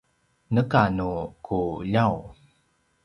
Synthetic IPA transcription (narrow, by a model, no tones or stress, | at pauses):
nəkanukʰuʎaw